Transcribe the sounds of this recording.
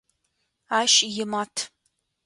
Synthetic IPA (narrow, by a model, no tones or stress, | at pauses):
aːʃjɪmatʰ